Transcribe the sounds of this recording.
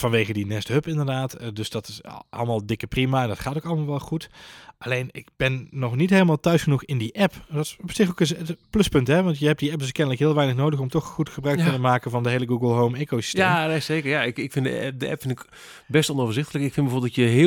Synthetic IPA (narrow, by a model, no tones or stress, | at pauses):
vɑnʋejɣədinɛstɦøpɪndərdaːtdøsd̥ɑtɪsʔɑ̰lˠmaːlˠdɪkəprimaɛndɔtχaːtowkɑləmaːlˠʋɛlˠχutʔalejnɪ̰ɡb̥ɛnːɔχnitɦejləmaːlˠtœɥsχənuχɪndiʔɛpdɔtsɔpsɪxokɪəplɵspɵntɦɛʋɑntjəɦɛp̚diɛp̚dɵskɛndələkɦɪːlˠʋɛjnəχnowdəχɔmtɔχχutχəbrœɥkɵnəmaːkənvɑndəɦejləɡuɡəlˠɦowmekosi̥stenesejkəɹjaɪkɪkfɪndə̰ɛdəɛ̰pfɪntɪk | bɛstɔnowvərzɪxtələkɪkfɪnbəoːbˠdɔtjəɦɪ